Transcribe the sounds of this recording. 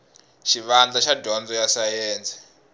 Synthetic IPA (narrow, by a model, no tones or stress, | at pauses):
ʃiʋand͡ɮaʃadʱɔnd͡zɔjasajɛːnd͡zɛ̥